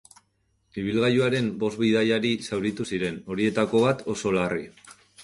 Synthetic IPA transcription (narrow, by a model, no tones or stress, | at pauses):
iβ̞ilɣajuaɾe̞mbo̞zβiðajaɾisawɾit̪usiɾe̞no̞ɾie̞t̪ako̞βat̪o̞so̞lari